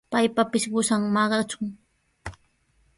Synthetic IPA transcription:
pajpapɪʃɢʊsaŋmɑɢɑt͡ʃʊŋ

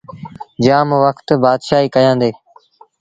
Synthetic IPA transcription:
d͡ʒaːmʋəkʰt̪baːd̪ʃaːɦiːkəjãːnd̪eː

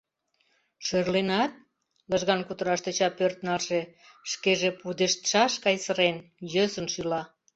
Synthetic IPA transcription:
ʃørlenɑt̪̚ | ləʒɣɑnkut̪əɾɑʃt̪et͡ɕɑpørt̪nɑlʃe | ʃkeʒepud̪eʃt̪ʃɑʃkɑjsəɾenjøsənʃylɑ

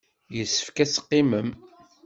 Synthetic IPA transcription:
jəsːə̥fkæsqːiməm

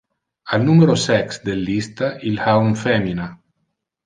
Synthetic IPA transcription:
alnumeɾosɛksd̪elːist̪aʔilhauɱfɛmina

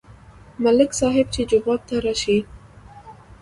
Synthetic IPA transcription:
malɪksɑɦɪb̚t͡ʃed͡ʒawɑb̚t̪aɾɑʃi

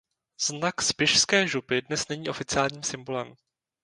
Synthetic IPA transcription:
z̥nakspɪʃskɛːʒupɪdnɛsnɛɲiːo̞fɪt͡sɪaːlɲiːmsɪmbolɛm

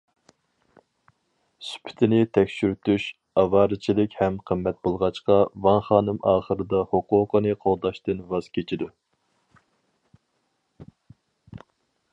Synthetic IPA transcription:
sy̥pʰɪ̥t̪ʰɪnɪt̪ʰɛkʲʃyɾyt̪yʃ | ɑvɑːɾɨt͡ʃʰilɪkʲhɛmqʰəmːɛt̪̚bolˠʁɑt͡ʃqɑvɑnχɑːnɨmʔɑːχəɾɨd̪ɑhoquːqənɨqʰolˠd̪ɑʃt̪ɨnvɑz̥kʲʰet͡ʃʰid̪u

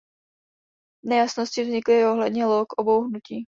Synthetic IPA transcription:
nɛjasnoscɪvzɲɪklɪoɦlɛdɲɛlokʔobowɦnuciː

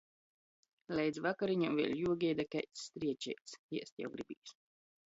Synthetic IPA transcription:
lʲɛjd̪zvakaɾiɲamvʲiɛlʲjuɔɡʲɛjd̪akɛjt̪sːt̪ɾiɛt͡ʃɛ̰jt̪siɛst̪ja̰wɡɾibḭːs

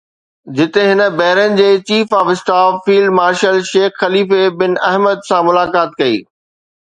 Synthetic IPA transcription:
d͡ʑɪt̪eɦɪnə̆bɛɦɪɾənɪ̆d͡ʑeːt͡ɕiːfaːfɪsʈaːfːiːlɖmaːɾʃəlʃeːxxɐliːfebɪnɛɦməd̪sãmʊlaːkaːt̪kɐḭː

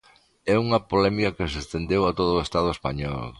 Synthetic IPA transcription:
ɛuŋɐpolɛmikɐkɪsest̪end̪ewat̪oðʊest̪að̞ʊespa̰ɲɔ̰l

